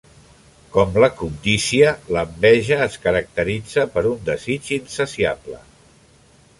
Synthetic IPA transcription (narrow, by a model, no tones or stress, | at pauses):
kɔmləkund̪isiələmbɛʒəːskəɾək̚t̪əɾid͡zəpəɾund̪əzit͡ʃinsəsia̰blə̰